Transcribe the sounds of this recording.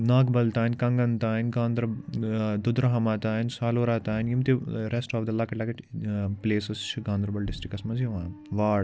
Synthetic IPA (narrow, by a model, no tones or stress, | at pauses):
naːkbɐlt̪aːnkɐŋɡɐnt̪aːinɡãːnd̪ɾɐd̪ʊd̪ɾɐɦɐmaːt̪aːinsaːloːɾaːt̪aːnjimt̪iɾesʈaːfd̪ɐlːaːkɐʈlaːkɐʈpleːsɐst͡ʃʰɡãːnd̪ɾbɐlɖɪsʈɾɪkːɐsmɐzjiʋãːʋaːɽ